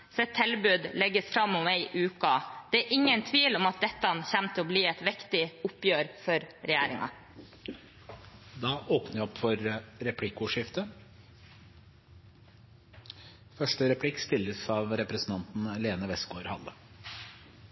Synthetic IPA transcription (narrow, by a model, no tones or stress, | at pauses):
sɛt̪ʰːɛlbʉːd̪lɛɡəsfɾɑmːʊmæɪʔʉːkɑd̪̥ɛæɾʔɪŋːənt̪ʰʋiːlɔmɑt̪̚d̪ɛt̪ːɑnçæmt̪ʰəɔbliːɛɪt̪ʋɪkt̪ɪʊpjøːɾfɔɾɾɛjæːɾɪ̰ŋɑ̰ | d̪ɑːʔoːpnəʋɔpːfɔɾɾɛpʰlɪkːʊʂɪft̪ə | fœʂʈəɾɛpʰlɪkːst̪ɪlːəsɑːʋɾɛpɾɛsn̩t̪ʰɑnt̪n̩leːnəʋɛsɡoːɾhɑ̰lːə